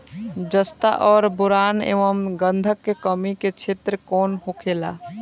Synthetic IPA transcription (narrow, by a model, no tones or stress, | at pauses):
d͡ʒəst̪a̰ʔɔːɾbuɾanḛʋəmɡənd̪ʱəkːekəmiket͡ʃʰet̪ɾəkonɦokʰela̰